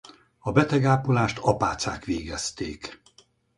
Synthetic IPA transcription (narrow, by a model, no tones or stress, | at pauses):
ɒbɛt̪ɛɡaːpolaːʃt̪ɒpaːt̪saːkʋeːɡɛst̪eːk